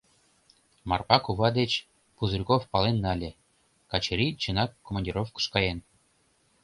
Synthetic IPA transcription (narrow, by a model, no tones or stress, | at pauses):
mɑ̰rpɑkuβɑd̪et͡ɕ | puzuɾʲkofpɑlenːɑlʲĕ | kɑt͡ɕeɾʲit͡ɕɤ̆nɑkːomɑnʲdʲiɾofkə̥̆ʃkɑjen